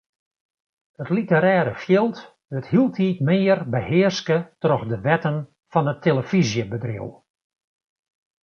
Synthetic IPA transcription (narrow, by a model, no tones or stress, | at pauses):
ətlitəɾɛːɾəfjɪlˠt | dəthilˠtʰiːtmɪːərbəhɪːrskətrɔxdəʋɛtən | fɔnətʰːeləfizjəbədrḭw